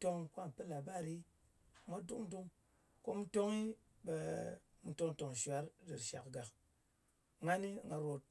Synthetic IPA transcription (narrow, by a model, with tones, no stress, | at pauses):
to˧ŋkʷa˦˨m˨pɨ˦la˨ba˦˨ɾi˦˨˦ | mʷa˦du˦ŋ˦du˦ŋ | ko˦mu˦to˦ŋi˦ | be˨mu˨to˧ŋ˦to˨ŋ˨ʃʷa˨˦ɾdɨ˨ɾʃa̰˨kɡa˨k | ŋa˦ni˦ŋɡa˧ɾo˨t̚